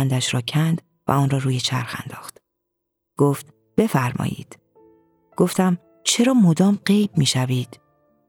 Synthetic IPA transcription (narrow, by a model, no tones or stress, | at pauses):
nd̪æʃɾɒːcʰænd̪ | væ̰ɒːnrɒːɾuːjet͡ʃʰæ̰ɾxæ̰nd̪ɒːxt̪ | ɡ̥oːft̪ | b̥e̞fæɾmɒ̰ːjḭːd̪̥ | ɡ̥o̞ft̪æm | t͡ʃʰe̞ɾɒːmod̪ɒːmɢe̞jbmiːʃæviːd̪̥